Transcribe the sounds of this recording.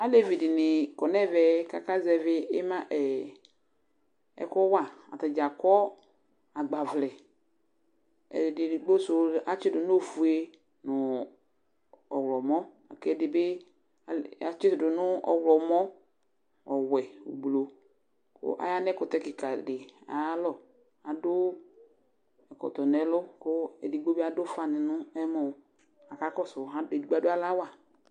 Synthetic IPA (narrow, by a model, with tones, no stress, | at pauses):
a˦le˦vi˨dɪ˨nɪ˨kɔ˨nɛ˦vɛ˨ka˨ka˦zɛ˨vɪ˦ɪ˦mã˦ʔɛ˨ | ɛ̰˨kɔ˦wa˦˨a̰˨ta˨d͡ʒa˨kɔ˦ | a˨ɡ͡ba˨vlɛ˨ | ɛ̰˨dɪ˨ɪ˨ɡ͡bo˦sʊ˦˨a˨t͡ʃɪ˦dʊ˨nʊ˦o˨fu˨e˦ | nʊ̃˨ | ɔ˨wlɔ˨mɔ˦ | a̰˨kɛ˦˨dɪ˨bɪ˦˨ | a˨t͡ʃɪ˦sʊ˨dʊ˨nʊ̃˦ɔ̰˨wlɔ˨mɔ˦ | ɔ˨wɛ˨ṵ˨blo˨ | kʊ̰˦ʔa̰˦ja˦nɛ˦kʊ˨t̪ɛ˦kɪ˨ka˨dɪ˨a̰˨˦lɔ˦ | a˨dʊ˦ | ɛ˨kɔ̰˨t̪ɔ˨nɛ˨˦lʊ˦kʊ˦ɛ̰˨dɪ˨ɡ͡bo˦be˦a˨dʊ˦fa˨nɪ˨nʊ̃˦ɛ˦mɔ˨ | a˨ka˦kɔ˦sʊ˨ɦã˦de˨di˨ɡ͡ba˦dʊ˦a˦la˦wa˨